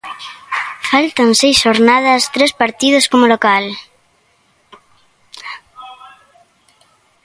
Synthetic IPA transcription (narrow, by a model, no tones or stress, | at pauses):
falt̪ansejsʃoɾnaðast̪ɾespaɾt̪ið̞oskomolokal